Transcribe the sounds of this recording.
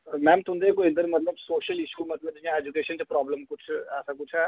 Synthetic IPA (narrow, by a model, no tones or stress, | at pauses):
mɛ̃ːmt̪ʰʊ̃nd̪ekoɪ̃nd̪əɾmɐt̪ləbsoːʃəlɪʃumɐt̪ləb̚d͡ʒãeːd͡ʒukeːʃənt͡ʃepɾaːbləmkʊt͡ʃʰɛːsakʊt͡ʃʰɛː